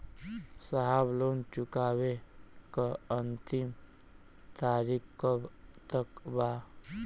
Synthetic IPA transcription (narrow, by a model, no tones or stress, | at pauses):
səɦablont͡ʃukaːwekəənt̪im | t̪aːɾikːət̪əkba